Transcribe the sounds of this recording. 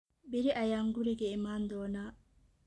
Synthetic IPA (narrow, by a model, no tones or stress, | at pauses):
biɾiʔajaŋɡuɾiɡeimand̪ɔna